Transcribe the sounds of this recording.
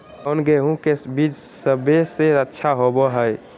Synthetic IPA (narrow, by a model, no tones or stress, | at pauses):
onɡeɦũkebid͡ʒsəbeseətːʃʰaɦobɔɦəj